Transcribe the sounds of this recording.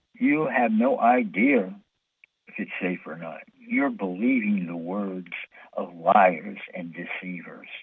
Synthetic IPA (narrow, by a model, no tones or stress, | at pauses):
jɨɨvnoʊʔaɪdiɨ | ɨfɨtseɪfə˞nɑ̰t̚jə˞bəlivɪ̃ŋðəwɜ˞dz̥ʔʌvlaɪə˞z̥ɨ̰̃ndɨsivə̰˞z̥